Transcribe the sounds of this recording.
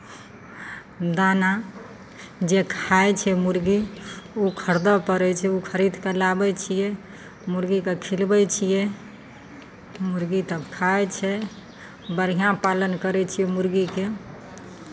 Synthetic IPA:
d̪ana | d͡ʒekʰajt͡ʃʰɛmuɾɡiukʰəɾd̪əpəɾɛt͡ʃʰɛukʰəɾid̪kelabɛt͡ʃʰijɛ | muɾɡikekʰilbɛt͡ʃʰijɛ | muɾɡit̪əbkʰajt͡ʃʰɛ | bəɾ̤ijãpalənkəɾɛt͡ʃʰijɛmuɾɡike

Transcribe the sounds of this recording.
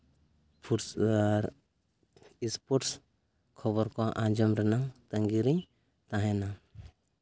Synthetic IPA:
pʰuʈsɾ | ispɔʈs | kʰɔβɔɾkɔʔãd͡ʒɔmɾɛnat̪əŋɡiɾiɲ | t̪ãɦɛna

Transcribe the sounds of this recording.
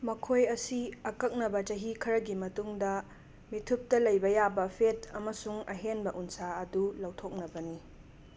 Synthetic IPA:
mɐkʰojɐsiɐkɐk̚nɐbɐt͡ʃɐɦikʰɐɾɐɡimɐtuŋdɐ | mitʰup̚tɐlɐjbɐjabɐpʰetʰɐmɐsuŋɐɦenbɐʔunsaɐdulɐwtʰok̚nɐbɐni

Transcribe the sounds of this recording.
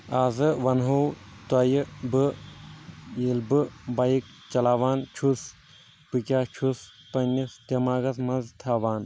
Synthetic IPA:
aːzɨʋɐnɦowt̪ɐjɨbɨ | jilbɨbɐjik | t͡ʃɐlaːʋaːnt͡ʃʰus | pɨkʲaːt͡ʃʰus | pɐnʲːist̪ʲɐmaːɡɐsmɐnzt̪ʰaːʋaːn

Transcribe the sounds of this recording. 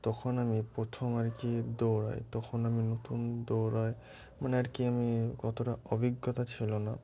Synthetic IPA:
t̪ɔkʰonamipɾot̪ʰomaɾkid̪oɾɔ̰jt̪ɔkʰonaminot̪und̪oɾɔj | maneaɾkiamikɔt̪oʈaɔbʱiɡːɔt̪at͡ɕʰilona

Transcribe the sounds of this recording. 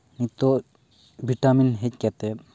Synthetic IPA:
nit̪o | bʱiʈaminɦetkɛt̪e

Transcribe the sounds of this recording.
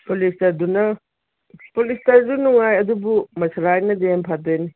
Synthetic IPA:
polistɐɾdunɐ | spolistɐɾdunuŋajɐdubumɐsʰɐɾajnɐdempʰatɐjni

